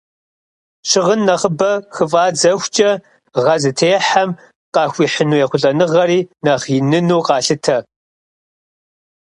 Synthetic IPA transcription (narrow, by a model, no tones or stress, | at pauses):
ʃɪʁənːɐχəbɐxɨfaːd͡zɐxʷt͡ʃʼɐ | ʁɐzɨtʰeːħam | qɑːxʷiːħənuːjɛχʷʊɮʼɐnɨʁɐɾiːnɐχinɨnuːqɑːɬɨtʰɐ